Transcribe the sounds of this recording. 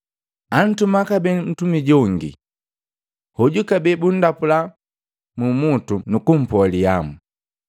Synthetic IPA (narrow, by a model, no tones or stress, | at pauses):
an̩tumakabɛn̩tumiɟɔŋɡḭ | hɔɟukabɛbun̩dapula | mumutunukum̩pɔlia̰mu